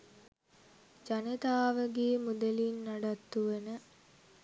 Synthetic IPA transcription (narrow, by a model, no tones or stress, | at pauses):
d͡ʒanet̪aːʋəɡeːmud̪elinːaɖat̪ːuʋənə